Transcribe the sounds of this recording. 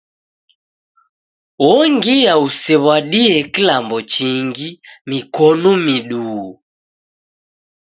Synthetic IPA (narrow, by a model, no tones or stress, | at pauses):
wɔŋɡijausɛβwaɗiɛkilambɔt͡ʃiŋɡimikɔnɔmiɗuː